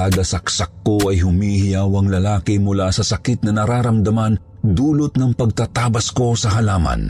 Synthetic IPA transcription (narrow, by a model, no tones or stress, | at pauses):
aːd̪ɐsɐksɐkːoɐjɦʊmiːhɪjawɐŋlɐlaːkɪmʊlasɐsɐkɪt̪̚nɐnɐɾaːɾɐmd̪ɐman | d̪uːlʊt̪nɐŋpɐɡ̚t̪at̪aːbɐsko̞sɐɦɐlaːmɐ̰n